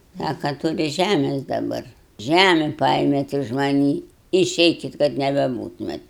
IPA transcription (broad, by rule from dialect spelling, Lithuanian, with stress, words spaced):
ˈsɑːkɐ tʊˈrʲɪ ˈʒʲæmʲɛs dɐˈbɐr ˈʒʲæmʲɛ ˈpɐeːmʲeːt ɪʃ mɐˈnʲiː ɪˈʃʲɛɪkʲɪt kɐt nʲɛbʲɛˈbuːtʊmʲeːt